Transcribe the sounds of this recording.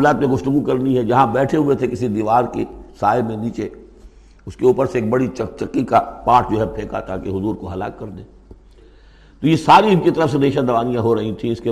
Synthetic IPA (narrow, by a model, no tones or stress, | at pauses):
laːt̪mẽɡʊft̪ʊɡukɐɾniɦɛd͡ʒɐɦãbɛːʈʰeɦʊet̪ʰekɪsid̪iːʋaːɾkesaːemẽniːt͡ʃeː | ʊskeuːpəɾseːk̚bɐɽit͡ʃɐt͡ʃɐkːikapaːʈ̚ʰd͡ʒoːɦɛpʰeːka̰t̪ʰakeɦʊzuːɾkoɦɐla̰ːkːɐɾd̪ẽː | t̪oːjesaːɾiɪnkit̪ɐɾəfseneːʃãd̪ɐʋaːnijãɦoɾɐɦĩt̪ʰĩɪske